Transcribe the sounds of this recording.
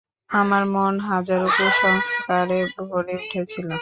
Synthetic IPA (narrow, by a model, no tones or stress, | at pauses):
amaɾmonɦad͡ʑaɾupoʃɔŋskaɾebʱoɾeuʈʰet͡ɕʰilo